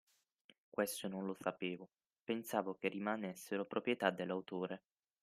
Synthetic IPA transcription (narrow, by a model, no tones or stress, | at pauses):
kwest̪ononlosapeːvo | pensaːvokerːimanesːeɾopɾopɾjet̪ad̪ːelːawt̪oːɾe